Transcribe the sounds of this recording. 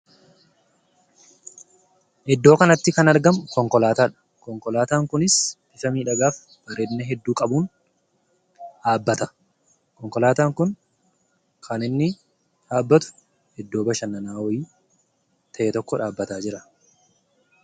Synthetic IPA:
ʔɛd̪ːo̞ːkɐnɐt̪ːɪkɐnɐɾɡɐmkɔŋkɔlaːt̪aːᶑɐ̥ | kɔŋkɔlaːt̪aːŋkʊnɪsb̥ɪfɐmiːᶑɐɡaːf | b̥ɐɾeːd̪nɛɦɛd̪ːuːkʼɐbuːn | ᶑaːbːɐt̪ɐ̥ | kɔŋkɔlaːt̪aːŋkʊn | kʰɐnɪnːɪ | ᶑaːbːɐt̪ʊ̥ | ɛd̪ːo̞ːbɐʃɐnːɐnaːwɔjiː | t̪ʰɐʔɛt̪ɔkːɔᶑaːbːɐt̪aːd͡ʒɪɾɐ

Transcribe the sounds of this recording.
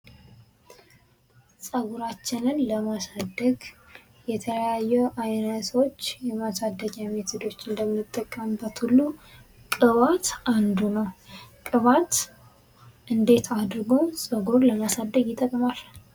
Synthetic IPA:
sʼəɡuɾat͡ʃːɪnɨnləmasad̪ːəɡ | jɛt̪ʰələjajːɛʔajnət̪o̞t͡ʃːjɛmasad̪ːəɡamet̪ʰɪd̪o̞t͡ʃːɪnd̪əmnɨt̪ʼːəkʼːəmbət̪hulːu | kʼɨβat̪ʔand̪unəwkʼɨβat̪ | ʔɨnd̪e̞t̪ʰad̪ɾɡo̞sʼəɡuɾləmasad̪ːəɡjɪt̪ʼːəkʼəmal

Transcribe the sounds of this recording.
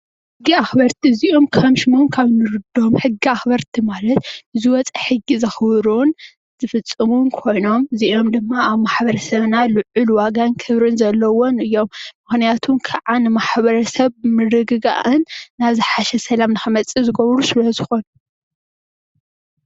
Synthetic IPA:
ħɨɡːiaxbɐɾt̪ʰiziʔo̞mkʰɐmʃɨmomkʰaβnɨɾɨd̪o̞mħɨɡːiaxbɐɾt̪ʰimalɐt̪ɨziwɔt͡sʼɐħɨɡːizɐxβɾun | z̥ɨfɨt͡sʼːɨmunkʰo̞jno̞mziʔo̞md̪ɨmːaaβmaħbɐɾɐsɐβnalɨʕʊluwaɡankʰɨβɾɨnzɐlːɐwonɨjːo̞mːɨxnijat̪ʰumkʰaʕanɨmaħβɐɾɐsɐβmɨɾɨɡɨɡa̰ʔɨnːaβzɨħaʃɛsɐlamnɨxɐmɐt͡sʼːizɨɡɐβɾusɨlɐzɨxo̞nu

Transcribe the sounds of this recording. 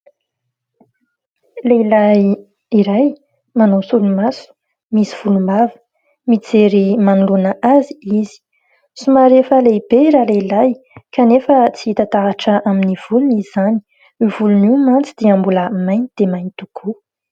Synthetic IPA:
leilaj | iɾaj | manosulumasu̥ | misiv̥ulumavə̥ | mit͡seɾimanulunəʔaziizi̥ | sumaɾefəleibeiɾaleilaj | kanefət͡siit̪at̪aaʈ͡ʂəaminiv̥uluniz̥ani̥ | iv̥ulunimant͡sid̪̥eambuləmajnid̪̥emajnt̪ukʰu

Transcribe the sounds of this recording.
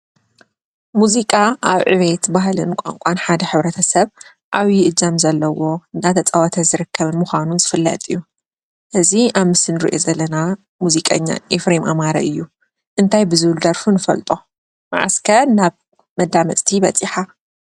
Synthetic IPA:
muzikʼaʔaβʕɨ̰βet̪baɦlɨnkʷʼa̰ŋkʷʼanħad̪ɐħɨβɾɐt̪ʰɐsɐβ | ʔaβjɪʔɨd͡ʒamzɐlːɐwo̞ɨnat̪ʰɐt͡sʼɐwɐt̪ʰɐzɨɾɨkːɐβɨnmɨxʷanunzɨfɨlːɐ̰t̪ʼɨjːu | ʔɨziaβmɨsɨnɨɾḭʔozɐlːɐna | muzikʼɐ̰ɲːa̰ʔefɾemʔamaɾɐ̰ʔɨjːu | ʔɨnt̪ʰajbɨzɨβɨld̪ɐɾfunɨfɐ̰lt̪ʼo̞ | ma̰ʕa̰skʰɐnaβ | mɐd̪amɐ̰t͡sʼt̪ʰibɐt͡sʼiħa

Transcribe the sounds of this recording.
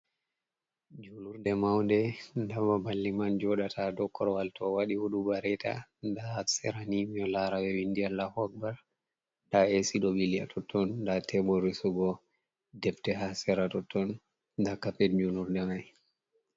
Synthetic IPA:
d͡ʒuluɾdɛmawndɛndamabalːimand͡ʒɔɗatʰadɔkːɔɾwaltʰɔwaɗiwuɗubaɾɛtʰa̰daasɛɾanimiɔlaɾawɛwindialːahɔɡ̚bal | daesiɗɔbilia̰tʰɔtʰːɔndatʰɛbɔɾisuɡɔ | dɛftɛɦasɛɾatɔtːɔn | dakːapɛd͡ʒuluɾdɛmaj

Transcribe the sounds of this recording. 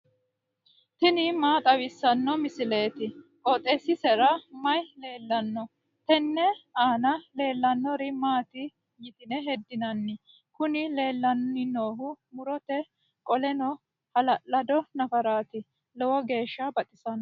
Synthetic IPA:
t̪ɪnɪmaːt̪ʼɐwɪsːɐnːɔmɪsɪle̞ːt̪ɪʔɔt̪ʼɛsɪsɛɾɐmɐjle̞ːlːɐnːɔ | t̪ɛnːɛaːnɐle̞ːlːɐnːɔɾɪmaːt̪ɪ | jɪt̪ɪnɛɦɛd̪ːɪnɐnːɪ | kʊnɪle̞ːlːɐnɔnɪno̞ːɦʊmʊɾɔt̪ɛ | kʼɔlɛnɔ | hɐlɐʔːɐd̪ɔnɐfɐɾaːt̪ɪ | lɔwɔɡe̞ːʃːɐbɐt̪ʼɪsɐnɔ

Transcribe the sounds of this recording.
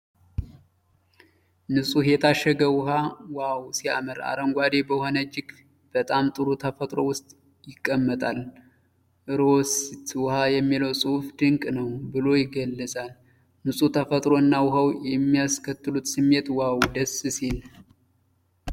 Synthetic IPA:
nɨsʼujɛt̪ʰaʃːəɡəwʊɦawawsia̰məɾa̰ɾəŋɡʷad̪e̞bəho̞nəd͡ʒɪk | b̥ət̪ʼamt̪ʼɨɾut̪ʰəfət̪ʼɾo̞wʊst̪ʼ | jɪkʼːəmːət̪ʼal | ʔɨɾost̪wʊhajɛmːiləwsʼɨhfd̪ɨŋkʼnəwbɨlo̞jɪɡəlːəsʼal | nɨsʼut̪ʰəfət̪ʼɾo̞ɨnːawʊɦəwjɛmːijaskʰət̪ːɨlut̪sɨmːe̞t̪wawd̪əssil

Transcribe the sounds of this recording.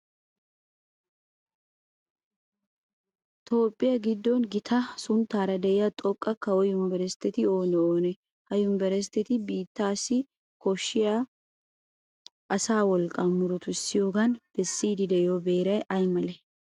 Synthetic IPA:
t̪ʰo̞ːpʼːɪjɐɡɪd̪ːɔnɡɪt̪ʰɐsʊnt̪ːaːɾɐd̪ɛɪjɐt̪ʼɔkʼːɐkɐwɔjʊmbɛɾɛst̪ɛt̪ɪo̞ːnɛoːnɛ | hɐjʊmbɛɾɛs̬t̪ɛt̪ɪbiːt̪ːaːsːɪ | kɔʃːɪjaː | ʔɐsaːwɔlkʼːɐmʊɾɔt̪ʊɪsːɪjo̞ːɡɐnb̥ɛsːiːd̪ɪd̪ɛjoːbeːɾɐjʔɐjmɐlɛ

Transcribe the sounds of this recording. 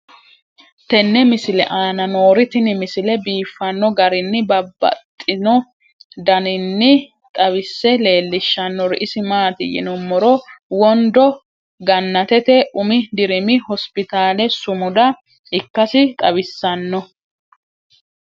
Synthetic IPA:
t̪ɛnːɛmɪsɪlɛ̰ʔaːnɐnoːɾɪt̪ɪnɪmɪsɪlɛbiːfːɐnːɔɡɐɾɪnːɪbɐbːɐ̰t̪ʼːɪnɔ | d̪ɐnɪnːɪ | t̪ʼɐβɪsːɛle̞ːlːɪʃːɐnːɔɾɪʔɪsɪmaːt̪ɪ̰jɪ̰nɔmːɔɾɔwɔnd̪ɔ | ɡɐnːɐt̪ɛt̪ɛʔʊmɪd̪ɪɾɪmɪhɔspɪt̪aːlɛsʊmʊd̪ɐ | ɪkːɐsɪt̪ʼɐbɪsːɐnːɔ

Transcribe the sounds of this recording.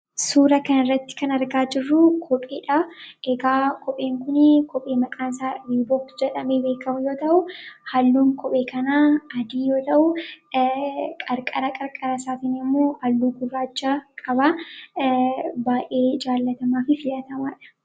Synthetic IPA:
suːɾɐkɐnɪrːɐt̪ːɪ̥kɐnɐɾɡaːd͡ʒɪrːʊkʰɔpʼeːᶑaeɡaːkʰɔpʼe̞ːŋkʊnɪkɔpʼe̞ːmɐkʼaːnsaːɾiːboːkt̪d͡ʒɛᶑɐmeːbe̞ːkɐmʊjo̞ːt̪ɐʔʊhɐlːuːŋkʰɔpʼe̞ːkɐnaːɐd̪iːjo̞ːt̪ɐʔʊ | kʼɐɾkʼɐɾɐkʼɐɾkʼɐɾɐsaːt̪ɪnɪmːoːʔɐlːuːɡʊrːaːd͡ʒːaːkʼɐba | baːʔe̞ːd͡ʒaːlːɐt̪ɐmaːfɪfɪlɐt̪ɐmaːᶑɐ̥

